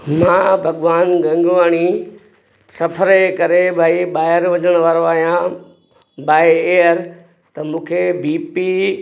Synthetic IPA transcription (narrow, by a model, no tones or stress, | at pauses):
mãːbʱɐɠʋaːnɡɐ̃ŋɡʋaːɽ̃i | sɐfʰəɾekɐɾebʱaːiɓaːɪɾʋɐɲəɽ̃ʋaːɾoaːɦijã | baːeeːəɾ | t̪ɐmũːkʰebiːpi